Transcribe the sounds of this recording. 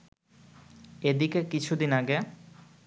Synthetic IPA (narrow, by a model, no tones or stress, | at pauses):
ed̪ikekit͡ɕʰud̪inaɡe